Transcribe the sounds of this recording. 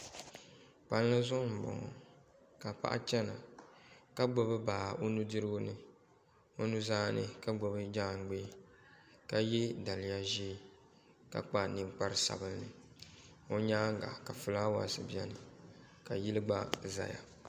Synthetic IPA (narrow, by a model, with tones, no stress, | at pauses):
pa˨llɨ˦zʊ˦m̩˨bɔ̰˨ŋɔ̰˨ | ka˨pa̰˦ʔa̰˦t͡ʃɛ˦na˨ | ka˦ɡ͡bo˦bɨ˦baː˨o˦nu˦dɨ˦ɾɨ˦ɡʊ˦nɨ˦ | o˦nu˦zaː˦nɨ˦ka˦ɡ͡bo˨bɨ˦d͡ʒaː˦˨ŋ˨ɡ͡be˦ | ka˨jɛ˦da˨lɪ˨ja˦ʒiː˦ | ka̰˨k͡pa˦nɨ˨ŋk͡pa˦ɾɨ˦sa̰˨bɨ˦lnɨ˨ | o˦ɲaː˦ŋ˦ɡa̰˨ka˨fɨ˨la˦wa̰˨sɨ˨bɛ˦nɨ˨ | ka˨ji˦lɨ˦ɡ͡ba˦za̰˨ja̰˨